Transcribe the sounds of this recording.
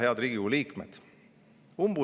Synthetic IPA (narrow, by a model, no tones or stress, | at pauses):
heɑd̪ɾiːɡiɡuliːkmḛd̪̥ | umb̥u